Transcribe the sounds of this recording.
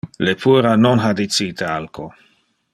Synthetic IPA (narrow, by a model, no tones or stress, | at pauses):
lepʰuɾanonɦad̪it͡siːt̪ealko